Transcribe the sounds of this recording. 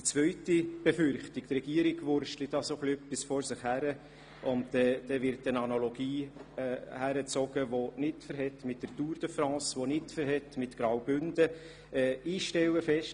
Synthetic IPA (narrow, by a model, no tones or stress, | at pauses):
ət͡sʋœʏtib̥ɛfʏɾχtiktrɛɡ̥iəɾɪɡʋʊɾʃtlidɑsoχliœpɪsfɔɾsɪχhæɾə | ʊntɛd̥ɛʋɪɾtənɑnaloɡ̥iːɛːhæɾət͡sɔɡ̥əʋonɪtfəɾɦɛtmɪtːərtuːɾd̥əfɾɑ̃ːsʋonɪtfəɾɦɛtmɪtɡ̥ɾɑwbʏndə | ɛːiːʃtɛwəfɛʃt